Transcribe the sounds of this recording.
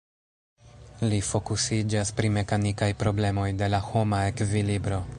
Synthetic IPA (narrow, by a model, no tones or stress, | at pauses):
lifo̞kusid͡ʒaspɾime̞kanikajpɾo̞ble̞mo̞jde̞laho̞maekvilibɾo̞